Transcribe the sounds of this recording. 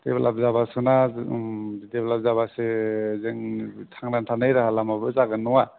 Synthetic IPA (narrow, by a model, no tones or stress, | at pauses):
deblʔa̰b̚zaβasɯna | ideblap̚zaβasezeŋtʰaŋnantʰanɯjɾaɦalamabɯzaɡɯnɔŋa